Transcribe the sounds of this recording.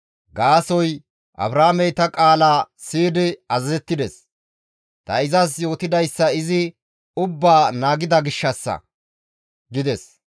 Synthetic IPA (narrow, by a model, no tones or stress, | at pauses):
ɡaːsɔj | ʔɐ̰bɾaːmɛjt̪ɐkʼaːlaː | siːd̪ɪɐzɐzɛt̪ːɪd̪ɛs | t̪ɐɪzɐs̬jo̞ːt̪ɪd̪ɐjsːɐɪzɪ | ʊbːaːnaːɡɪd̪ɐɡɪʃːɐsːɐ̰ | ɡɪd̪ɛs